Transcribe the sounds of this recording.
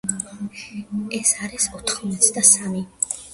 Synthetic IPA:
ɛsaɾisɔt̪ʰχɔmɛt̪sʰd̪asami

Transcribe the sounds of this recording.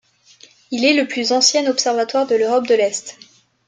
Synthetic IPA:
ilɛləplyzɑ̃sjɛ̃nɔpsɛʁvat̪waʁd̪əløʁɔp̚d̪əlɛst̪

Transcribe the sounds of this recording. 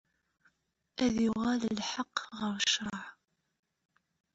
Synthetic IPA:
æðjʊʁæləlħɑqːʁəɾʃɾˤɑʕ

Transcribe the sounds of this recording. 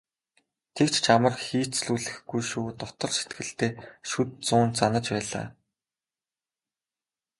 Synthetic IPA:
t̪ʰekt͡ɕt͡ɕʰamə̆rxiːt͡s̪sɮuːɮɘ̆xɡujʃuːt̪ɔt̪ɞ̆rʃe̥t̪ɡɘ̆ɬt̪eːʃut̪̚t͡sʊːnt͡sanə̆t͡ɕpæːɮa̰ː

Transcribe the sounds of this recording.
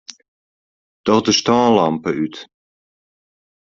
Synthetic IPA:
d̥ɔχdəstɔːlampəyt

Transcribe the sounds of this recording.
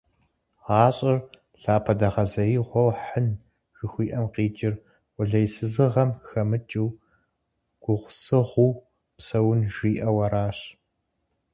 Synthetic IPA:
ʁɑːɕʼɪr | ɬaːpʰɐdɐʁɐzɐjiʁʷɔwħən | ʒ̥ɪxʷiːʔɐmqiːt͡ʃʼɪrʷ | ʊɮɐjsɨzɨʁɐmxɐmɨt͡ʃʼiw | ɡ̥ʷʊʁʷʊsɨʁʷʊw | psɐwʊnʒiːʔɐwɐɾaːɕ

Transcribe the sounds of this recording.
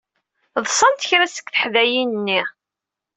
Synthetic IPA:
ðˤsˤɑnt̪ə̥çɾæsə̥kθə̥ħðæjinənːi

